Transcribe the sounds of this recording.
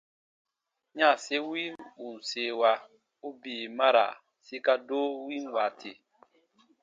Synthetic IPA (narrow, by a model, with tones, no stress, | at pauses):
ɲã˦˨se˦wi˦nu˨n˨se˨wa˧ | u˦biː˨ma˦ɾa̰˨ | si˦ka˦do˦wi˦nwa˨tʰe˨